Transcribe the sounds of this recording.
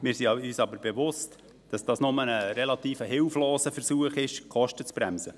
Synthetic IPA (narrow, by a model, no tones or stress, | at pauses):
mɪːɾsiɑyːsɑbəɾbevʊst | d̥ɑsd̥ɑːsnʊmənəɾɛlɑt̪iːfəɦɪlfloːsəfəɾsuəχɪʃkʰɔʃtət͡sb̥ɾæmsə